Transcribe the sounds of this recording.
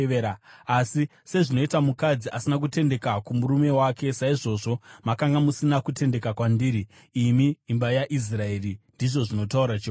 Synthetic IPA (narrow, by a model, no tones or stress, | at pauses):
eɾaasi | se̞ʐino̞itamukad͡ziʔasinak̬ute̞nde̞kakumuɾume̞waːke̞saiʐo̞ʐo̞makaŋɡamusinakute̞nde̞kakwandiːɾiː | miːmbajaʔis̬rae̞rindiʐo̞ʐino̞tauɾat͡ʃi